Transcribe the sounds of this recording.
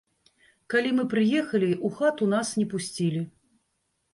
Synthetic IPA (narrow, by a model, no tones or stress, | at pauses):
kalʲimɨpɾɨjɛxɐlʲiʔuxat̪un̪asnʲɛpusʲt͡sʲilʲi